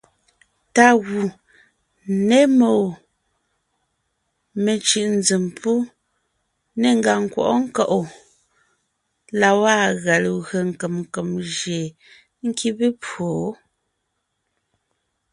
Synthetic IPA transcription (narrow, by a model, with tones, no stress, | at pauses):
ta˨ɣu˨ | ne˦mo˨ | me˨t͡ʃɯ˨ʔn˦d͡zi˨mpu˦ | ne˨ŋ̩˦ɡa˨ŋ̩˨kwɔ̰˨ʔɔ˦ŋ̩˦kɔ˦˨ʔo˨ | la˨wa˦ɣa˨lɣɰə˨ŋ̩˨kə˨mŋ˨kə˨mʒje˨ | ŋ̩˦kʰi˦be˦po˨˦